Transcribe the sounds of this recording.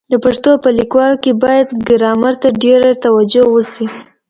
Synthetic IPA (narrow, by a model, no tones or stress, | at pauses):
d̪əpaʂt̪opəlikwɑlkebɑjad̪ɡɪɾɑmaɾt̪aɖeɾat̪awad͡ʒowəsi